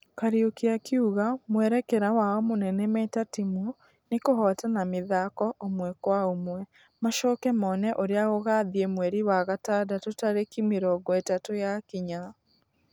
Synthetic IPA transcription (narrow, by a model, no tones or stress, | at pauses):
kaɾiokeakiuɣamwɛɾɛkɛɾawaɔmonɛnɛmɛtatimu | nekoɦɔtanameðakɔʔomwɛkwaomwɛ | maʃɔːkɛmɔnɛʔoɾeaɣoɣaːðiɛmwɛɾiwaɣatadatotaɾekimeɾɔːɡɔetatojakiɲa